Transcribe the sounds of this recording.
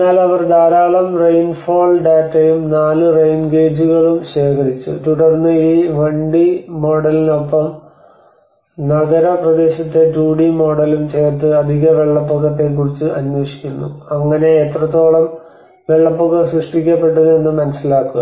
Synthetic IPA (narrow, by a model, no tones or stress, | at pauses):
nːaːlɐʋɐrd̪aːɾaːɭɐmrejnfoːlɖaːtːɐjumnaːlɨrejnɡeːd͡ʑuɣɐɭumɕe̞ːkʰɐɾit͡ɕːṵtuɽɐrnːɨiːʋɐɳɖimo̞ːɽɐlino̞pːɐm | nɐɣɐɾɐprɐd̪e̞ːɕɐt̪ːe̞tuːɖimo̞ːɽɐlumt͡ɕeːrt̪̬ːɨɐd̪ʱiɣɐʋe̞ɭːɐpːoɣɐt̪̬ːe̞k̬ːurit͡ɕːɨʔɐnjo̞ːʂi̥kʲːunːṵɐŋːɐne̞ːt̪rɐt̪ːo̞ːɭɐm | ʋe̞ɭːɐpːoɣɐsrɨʂʈikʲːɐpːe̞ʈːɐðɨenːɨmɐnɐsːilaːkːuɣɐ